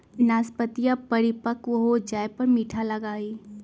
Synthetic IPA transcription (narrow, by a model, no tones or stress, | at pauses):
naːspət̪ijapɐɾɪpəkwɐɦod͡ʒaːjpɐɾmiːʈʰalɐɡaːiː